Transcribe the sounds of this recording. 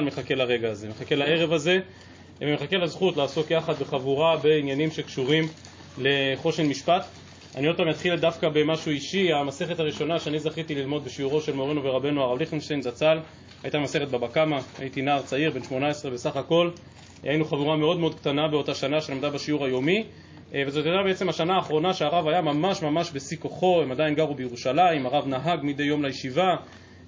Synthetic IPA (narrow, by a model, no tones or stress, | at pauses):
anmeχake̞laʁe̞ɡaːze̞meχake̞lae̞ʁevaze̞ | vemeχake̞lazχut̪laːso̞kjaχad̪beχavuʁabe̞injanimʃe̞kʃuʁim | le̞χo̞ʃenmiʃpat̪ | a̰niot̚pamjat̪χildafkabe̞maʃuiʃiamase̞χethaʁiʃo̞naʃeanizaχit̪ililmo̞d̪beʃiuʁo̞ʃe̞lmoʁenuve̞ʁabe̞nuaʁavliχenʃt̪ejnzat͡sal | hajtamase̞χet̚babakamaa̰it̪inaːʁt͡saiʁbenʃmo̞nae̞sʁebe̞saχako̞l | ajinuχavuʁame̞o̞d̪meod̪̚kt̪anabeo̞t̪aʃanaʃelamd̪abaʃiuʁajo̞mi | vezotadabeet͡se̞maʃanaːχʁo̞naʃeaʁavajamamaʃmamaʃbe̞sikoχo̞emadainɡaʁubejeʁuʃalaimaʁavnaɦaɡmid̪e̞jo̞mlajeʃiva